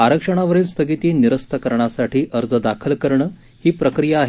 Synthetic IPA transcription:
aɾəkʂəɽ̃aʋəɾiːlst̪ʰəɡit̪iːniɾəst̪ʰəkəɾɳasaʈiːʔəɾd͡zəd̪akʰəlkəɾɳəː | hiːpɾəkɾijaːɦ

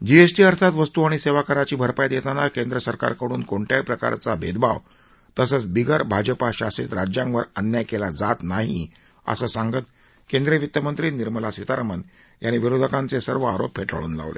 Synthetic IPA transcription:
d͡ʑiesʈiːəɾt̪ʰat̪ʋəst̪uaɽ̃iseʋakəɾat͡ɕiːbʱəɾpajt̪jet̪anakend̪ɾəsəɾka̰ɾkəɽ̃uːnkoɳʈjapɾəka̰ɾt͡sabʱed̪ba̰ʋ | t̪əsət͡sbiɡəɾbʱad͡ʑəpaɕasit̪ɾad͡ʑjãŋʋəɾənjakelad͡zat̪naɦi | ə̰sasaŋɡət̪ | kend̪ɾeʋit̪jəmənt̪ɾiːniɾməlasʋit̪aɾmən | jañiʋiɾod̪ʱəkãnt͡sesəɾʋəaɾoppʰeʈə̰ɭṵːnla̰ʋlḛ

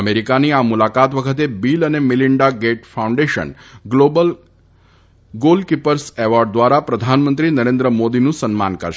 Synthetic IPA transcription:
əmeɾikaniamulakat̪ʋəkʰət̪ebilənemiliɳɖaɡeʈfaũɳɖeʃə̰nɡlobəl | ɡolkipəɾseʋɔɾɖ̚d̪ʋaɾapɾəd̪ʱanmənt̪ɾinəɾẽnd̪ɾəmod̪inũsənmankə̰ɾʃ

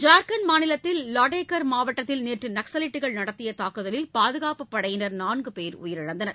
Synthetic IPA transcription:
d͡ʒaːɾkɐnmaːnɪlɐt̪ːɪlːɐːʈeːkɐɾmaːʋɐʈːɐt̪ːɪlneːʈrɯnɐksɐlɪʈːɯɣɐɭnɐɽɐt̪ːɪjɐt̪aːkːɯðɐlɪlpaːðɯɣaːpɯpːɐɽɐjɪnɐɾnaːnɡɯpeːɾʊ̰jɪɾɪɽɐnd̪ɐnɐɾ

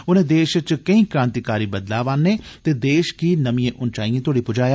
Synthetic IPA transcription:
ʊnẽːd̪eːʃət͡ʃkəĩːkɾãːnt̪iːkaːɾiːbəd̪laːʋaːnːeːt̪eːd̪eːʃkiːnəmĩːẽːʔʊnt͡ʃaːiːẽt̪ʊoːɽiːpʊd͡ʒaːjaː

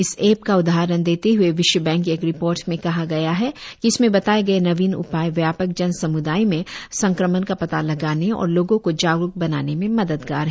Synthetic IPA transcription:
ɪseːpkaʊd̪aːɾənd̪eːt̪eɦueʋɪʃwəbɛ̃ːŋkeːkɾɪpoːɾʈmẽkɐɦaɡɐjaɦɛkiɪsmẽbɐt̪aːeɡɐenɐʋiːnʊ̰paːjʋjaːpək̚d͡ʒɐnsɐmʊd̪aːimẽsɐ̃ŋkɾəmənkapɐt̪alɐɡaːneɔ̰ːɾloːɡõkod͡ʒaːɡɾʊk̚bɐnaːnemẽmɐd̪əd̪ɡa̰ːɾɦ

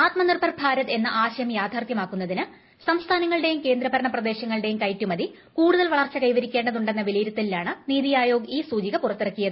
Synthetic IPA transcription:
aːt̪mɐnirbʰʱɐrbʱaːɾɐðe̞nːɐʔaːɕɐjɐmjaːd̪ʱaːrt̪jɐmaːkːunːɐðinɨ | sɐmst̪ʰaːnɐŋːɐɭɨɽe̞jumke̞ːnd̪ɾɐbɐɾɐɳɐprɐd̪e̞ːɕɐŋːɐɭɨɽe̞jumkɐjtːumɐði | kuːɽuðɐlʋɐɭɐrt͡ɕːɐkɐjʋɐɾikʲːe̞ːɳɖɐðuɳɖe̞nːɐʋiliːɾɐt̪ːililːaːɳɨniːðijaːjo̞ːɡiːsuːd͡ʑiɣɐpurɐt̪ːeɽɐkːijɐðɨ

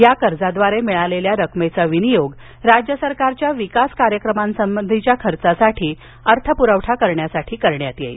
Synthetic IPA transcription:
jakəɾd͡zad̪ʋaɾemiɭaleljaɾəkmet͡saʋinijoɡ | ɾad͡ʑjəsəɾkaɾt͡ɕjaʋikaskaɾjəkɾəmãnsəmbənd̪ʱit͡ɕjakʰəɾt͡sasaʈʰiː | əɾt̪ʰəpuɾəʋʈʰakəɾɳjasaʈʰiːkəɾɳjat̪jḛ

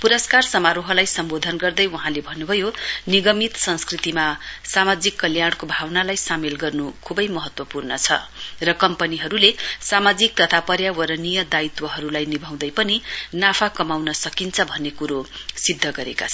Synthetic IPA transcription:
puɾʌskarsʌmaɾoɦʌlajsʌmbod̪ʱʌnɡʌrd̪ʌjwʌɦãlebʱʌnːubʱʌjoniɡʌmit̪sʌnskrit̪imasamad͡zikːʌljaɳkobʱawnalajsamelɡʌrnukʰubʌjmʌɦʌt̪wʌpurnʌt͡sʰʌ̰rʌkʌmpʌniɦʌɾulesamad͡zik̚t̪ʌt̪ʰapʌɾjawʌɾʌnijʌd̪ait̪wʌɦʌɾulajnibʱaw̃d̪ʌjpʌninapʰakʌmawnʌsʌkint͡sʰʌbʱʌnːekuɾosid̪ʱːʌɡʌɾḛka̰t͡sʰʌ

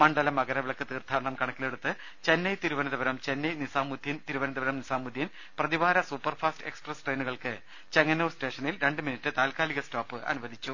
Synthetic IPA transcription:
mɐɳɖɐlɐmɐɣɐɾɐʋiɭɐkːɨt̪iːrt̪ʰːaːɾɐɳɐmkɐɳɐkːile̞ɽut̪ːɨ | t͡ɕe̞nːɐjt̪iɾuʋɐnɐðɐbɐɾɐmt͡ɕe̞nːɐjnisaːmːud̪ʱjint̪iɾuʋɐnɐðɐbɐɾɐmnisaːmud̪ʱjin | prɐðiʋaːɾɐsupːɐrfʰaːstɨe̞ksprɐsʈrejnuɣɐɭkɨ | t͡ɕeŋːɐnoːste̞ːʂɐnilɾe̞ɳɖɨminitːɨt̪aːlkaːliɣɐstoːpːɨʔɐ̰nuʋɐd̪ʱit͡ɕːu

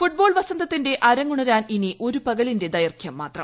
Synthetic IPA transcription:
fuʈ̚bo̞ːɭʋɐsɐnd̪ʱɐt̪ːinde̞ʔɐɾɐŋːuɳɐɾaːniniʔo̞ɾupɐɣɐlinde̞d̪ɐjɐrkʰjɐmːaːt̪rɐ̰

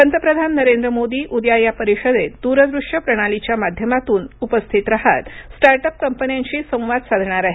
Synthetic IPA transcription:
pənt̪əpɾəd̪ʱanːəɾend̪ɾəmod̪iːʔud̪jajapəɾiɕəd̪ed̪uɾəd̪ɾuʂjəpɾəɽ̃alit͡ɕjamad̪ʱjəmat̪uːnupəst̪ʰit̪ɾaɦa̰t̪sʈaɾʈəp̚kəmpənjaɲt͡ɕiːsə̃w̃ʋad̪sad̪ʱɳ̃aɾaɦe

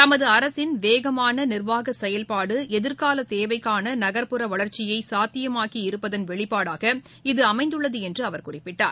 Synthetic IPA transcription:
t̪ɐmɐðɯɐɾɐsɪnʋeːɣɐmaːnɐnɪrʋaːɣɐsɛjɐlpaːɽɯʔɛðɪɾkaːlɐt̪eːʋɐɪkːaːnɐnɐɣɐɾpɯɾɐʋɐɭɐɾt͡ʃɪjɐɪsaːt̪ːɪjɐmaːkiɪɾɯpːɐðɐnʋɛɭɪpːaːɽaːɣɐ | ɪðɯɐmɐɪnd̪ɯɭːɐðɯɛndrɯɐʋɐɾkʊrɪpːɪʈːa̰ːɾ

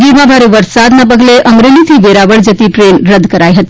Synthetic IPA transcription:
ɡiɾmabʱaɾeʋəɾsad̪nap̬əɡleʔʌmɾelit̪ʰibeɾabəɽd͡zət̪iʈɾenrəd̪ʱkəɾajɦət̪i

